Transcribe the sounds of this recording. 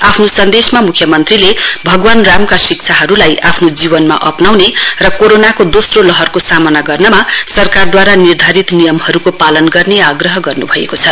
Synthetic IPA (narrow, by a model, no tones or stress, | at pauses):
apʰnosʌnd̪esmamukʰjʌmʌnt̪rilebʱʌɡwanramkasik̚t͡sʰaɦʌɾulajʔapʰnod͡zibʌnma̰ʔʌpnawnerʌkoɾonakod̪osrolʌɦʌrkosamʌnaɡʌrnʌmasʌrkard̪waɾanird̪ʱaɾit̪nijʌmhʌɾukopalʌnɡʌrneaɡrʌɦʌɡʌrnubʱʌḛkot͡sʰʌ